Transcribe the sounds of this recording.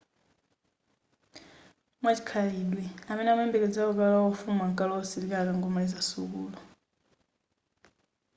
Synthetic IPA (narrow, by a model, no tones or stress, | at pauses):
mwat͡ʃi̥kʰaliɗwɛamɛnɛamɛmbɛkɛd͡zaɔkalaɔfumaŋkʼalɔɔsilikakaŋɡɔmalizasukuːlɔ